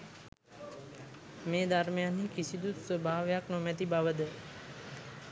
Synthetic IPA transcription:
meːd̪ʱaɾmijanikisid̪ut̪səbʱaːʋjaknomɛt̪̬ibʱaʋəd̪ə

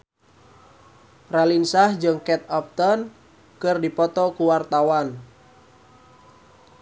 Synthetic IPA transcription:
ralinsahd͡ʒɨŋkɛt̪̚ɔp̚t̪ɔn | kɨrdipɔt̪ɔkuwart̪awan

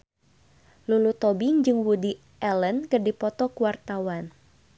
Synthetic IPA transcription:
lulut̪ɔbɪŋd͡ʒɨŋwudi | ʔɛlənkɨrdipɔt̪ɔkuwart̪awan

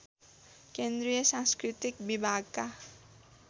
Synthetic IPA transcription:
kend̪ɾijʌsãŋskɾit̪ik̚bibʱaɡka

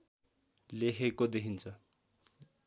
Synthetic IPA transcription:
lekʰekod̪ekʰint͡sʰʌ

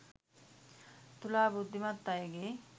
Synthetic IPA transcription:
t̪ulaːbud̪ʱːimɐt̪ːajeɡe

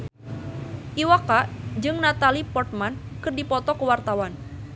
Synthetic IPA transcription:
ʔiwakaʔd͡ʒɨŋnat̪alipɔrt̪̚mankɨrdipɔt̪ɔkəwart̪awan

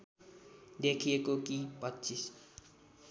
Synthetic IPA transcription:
d̪ekʰijekokipʌtːt͡ʃis

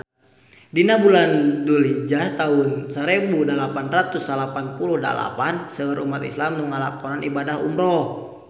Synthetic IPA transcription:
dinabulandulid͡ʒat̪aʊnsəɾebudalapanrat̪usalapanpuluhda̰la̰pansəəɾʔumat̪islamnuŋalakɔnanibadaɦṵmɾɔ

